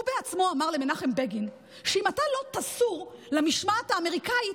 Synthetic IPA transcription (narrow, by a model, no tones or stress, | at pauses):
ubeat͡smo̞amaʁle̞menaχembeɡin | ʃeimatalo̞t̪asuʁ | lamiʃmat̪haːme̞ʁikai